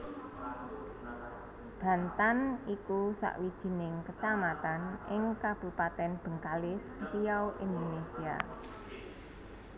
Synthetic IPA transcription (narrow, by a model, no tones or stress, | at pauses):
b̥ä̤nt̪anikusa̰ʔwid̥ʒ̥i̤nɪŋkət͡ʃamat̪anʔɪŋkab̥ṳpat̪ɛnb̥ə̤ŋkalɪsrijawʔind̪onesia̰